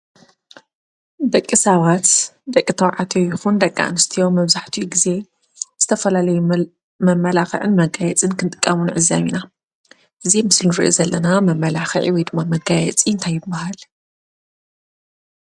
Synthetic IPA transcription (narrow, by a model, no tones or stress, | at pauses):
d̪ɐkʼːisɐβat̪d̪ɐkʼːit̪ʰɐwʕat̪ʰojɪxund̪ɐkʼːa̰ʔnɨst̪ʰijo̞mɐβzaħt̪ʰiɡize̞ | z̥ɨt̪ʰɐfɐlalɐju | mɐmːɐlaxɐ̰ʕɨnmɐɡajɛt͡sʼɨnkʰɨnt̪ʼɨ̥kʼːɐmɨnʕɨzːaβina | ʔɨzimɨslnuɾɨ̰ʔozɐlːɐnamɐmːɐlaxɐʕḭwɔjd̪ɨmːamɐɡajɛt͡sʼiɨnt̪ʰajːɪbːahal